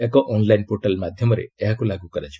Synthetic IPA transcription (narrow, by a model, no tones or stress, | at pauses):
ekɔʔonlajnpoʈalmad̪ʱjɔmɔɾḛeɦakulaɡukɔɾat͡ʃʰi̥